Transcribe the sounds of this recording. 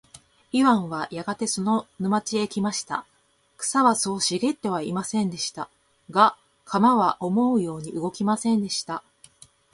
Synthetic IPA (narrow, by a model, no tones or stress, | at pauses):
iβãɰ̃βajaɡat̪e̞so̞no̞nɯ̟mat͡ɕie̞kʲimaɕi̥t̪a̰ | kɯ̟̥saβaso̞ːɕiɡe̞t̪ːe̞β̞aimasẽ̞nd̪e̞ɕi̥t̪a̰ | ɡa | kʰamaβaʔo̞mo̞ɯ̟jo̞ːɲ̟iɯ̟ɡo̞kʲimasẽ̞nd̪e̞ɕi̥t̪a